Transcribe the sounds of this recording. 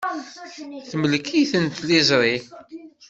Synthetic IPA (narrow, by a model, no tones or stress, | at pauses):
θməlkʰiθənt̪lɪzˤɾˤi